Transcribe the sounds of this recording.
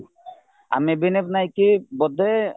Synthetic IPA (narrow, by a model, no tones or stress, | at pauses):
a̰mebinepnajkibɔd̪e